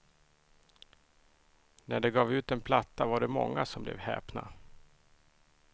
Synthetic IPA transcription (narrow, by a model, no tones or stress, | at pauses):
næɖɛɡɑːvʉ̟ːt̪ɛnpʰlat̪ːavaɖɛmɔ̰ŋːasɔmblɛ̰vhɛ̰ːpna̰